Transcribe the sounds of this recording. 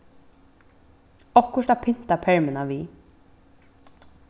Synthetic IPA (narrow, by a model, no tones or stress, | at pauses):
ɔkʰʊʂd̪apʰɪn̥t̪apʰɛɹmɪnaʋiː